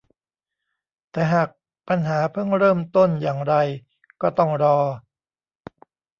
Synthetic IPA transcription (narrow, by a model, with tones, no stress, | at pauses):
t̪ɛː˨˩ɦaː˨˩k̚ | pa˧nɦaː˩˦pʰɤ˥˩ŋɾɤː˥˩mt̪o˥˩njaː˨˩ŋɾa˧j | kɔː˥˩t̪ɔ˥˩ŋɾɔː˧